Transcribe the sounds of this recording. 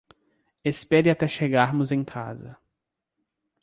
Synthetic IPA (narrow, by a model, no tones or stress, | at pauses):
espɛɾɪat̪ɛʃeɡaɾmʊzẽj̃kʰa̰zɐ̰